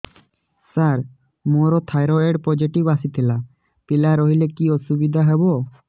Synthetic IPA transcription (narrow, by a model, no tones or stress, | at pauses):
saɾ | moɾɔt̪ʰajɾɔeɖpɔd͡ʒiʈibasit̪ʰila | pilaɾɔɦilekiɔsubid̪ʱaɦɛbɔ